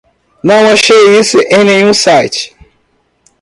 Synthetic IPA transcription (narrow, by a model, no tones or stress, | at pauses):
nɐ̃w̃aʃejisʊʔẽj̃nẽɲũsajt͡ʃɪ̥